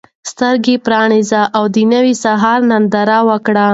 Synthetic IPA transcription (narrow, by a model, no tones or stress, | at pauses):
st̪əɾɡepɾɑnizaʔawd̪ənəwisaɦɑɾnand̪aɾawəkɽa